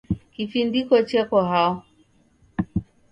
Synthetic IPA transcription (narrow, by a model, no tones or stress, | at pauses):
kifindikɔt͡ʃɛkɔɦaɔ